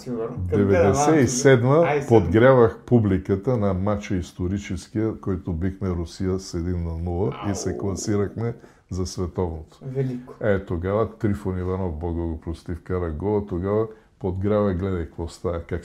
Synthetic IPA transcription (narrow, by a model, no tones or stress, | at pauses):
d̪ɛvɛd̪ɛsɛisɛd̪mɐpod̪ɡɾʲavɐxpublikət̪ənɐmat͡ʃəist̪oɾit͡ʃɛskiəkɔjt̪obixmɛɾusijəsɛd̪inːɐnulˠəisɛklˠɐsiɾɐxmɛ | zɐsvɛt̪ɔvnot̪o̥ɛt̪oɡavɐt̪ɾifonivanɔvbɔɡoɡopɾost̪ifkaɾɐɡɔvɐt̪oɡavɐ | pod̪ɡɾʲavɐɡlɛd̪ɐjkvɔst̪aɐkak